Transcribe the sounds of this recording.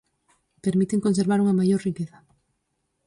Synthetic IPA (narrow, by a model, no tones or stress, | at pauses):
peɾmit̪eŋkons̬eɾβaɾuŋamajoɾrikeða